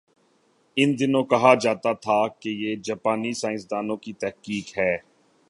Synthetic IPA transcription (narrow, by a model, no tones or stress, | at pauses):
ɪnd̪ɪnõːkɐɦad͡ʒaːt̪at̪ʰakejeːd͡ʒaːpaːnisãːɪ̃sd̪aːnõkit̪ɛɦkiːkɦɛː